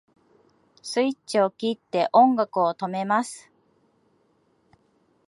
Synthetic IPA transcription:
sɨit͡ɕio̞kʲit̪ːe̞ʔõ̞ŋɡakɯ̟ot̪o̞me̞masɨ̥

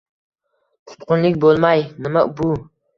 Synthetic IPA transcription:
q̪ʰʊ̥t̪qʊnlˠɪkʲbolˠmajnɪmabu

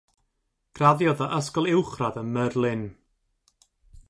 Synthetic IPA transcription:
ɡ̥raðjɔðəʔəskɔlˠɪwχraðənmərlˠɪn

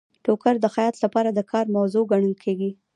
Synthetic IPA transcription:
ʈokaɾd̪əxajɑt̪lapɑɾad̪əkʰɑɾmawzoɡaɳəlkʰeɡi

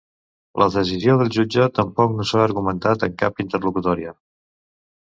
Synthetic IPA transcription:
lʔəðəsizioðəlˠʒud͡ʒət̪əmpɔknosaəɾɣumənt̪at̪əŋkapint̪ərlukut̪ɔɾiə

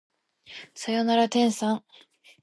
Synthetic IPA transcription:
sajonaɾat̪ẽ̞ɰ̃sãɴ

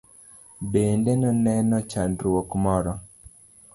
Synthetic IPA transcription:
bendenɔnɛnɔt͡ʃandɾwokmɔɾɔ

